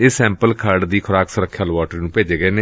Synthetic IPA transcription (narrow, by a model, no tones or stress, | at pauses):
ɪːsɛ̃ːmpəlkʰaːɾɖd̪iːkʰʊɾaːksəɾəkʰːjəlʋaːʈəɾnũːpeːd͡ʒeːɡəeːneː